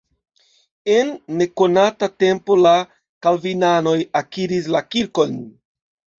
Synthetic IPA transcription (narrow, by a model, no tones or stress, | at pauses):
e̞nːe̞ko̞natate̞mpo̞la | kalvinano̞jakiɾis̬lakiɾko̞n